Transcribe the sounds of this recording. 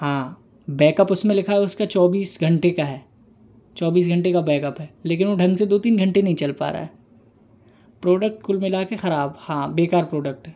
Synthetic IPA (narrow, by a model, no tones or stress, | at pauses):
ɦãː | bɛːkəpʊsmẽlɪkʰaɦɛʊskat͡ʃɔːbiːsɡʱɐ̃ɳʈekaɦɛː | t͡ʃɔːbiːs̬ɡʱɐ̃ɳʈekabɛːkəpɦɛːleːk̬ɪnoɖʱɐ̃ŋɡsed̪oːt̪iːnɡʱɐ̃ɳʈenɐɦĩt͡ʃɐlpa̰ːɾa̰ːɦɛ | pɾɔːɖək̚ʈ̚kʊlmɪlaːkexɐɾaːbhãːbeːkaːɾpɾoːɖək̚ʈɦɛː